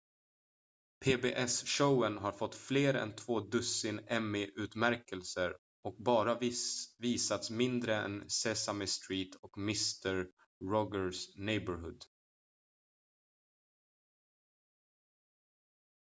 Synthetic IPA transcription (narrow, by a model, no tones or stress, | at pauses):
pʰeːbeːʔɛsʂəwənɦaɾfɔt̪ːfleːɾɛ̰nt̪ʰvoːd̪ɵsɪnɛmːɪʔʉ̟ːt̪mæɾkəlsəɾ | ɔk̚bɑːɾaviːsat̪smɪnd̪ɾəɛ̰nsɛsamɪst̪ɾiːt̪ʰɔkmɪst̪əɾː | ɔɡəsnɛjbəɾɦɵ̰d̪